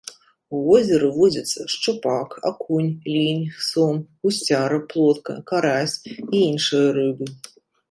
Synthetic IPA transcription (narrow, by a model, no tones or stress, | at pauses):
uvɔzʲɛɾɨvɔd͡zʲɐt̪sːɐʂt͡ʂɨpaka̰kunʲlʲinʲsɔmɣusʲt͡sʲaɾɐplˠɔt̪̚kɐ̰kaɾasʲiinʂɨjɐɾɨbɨ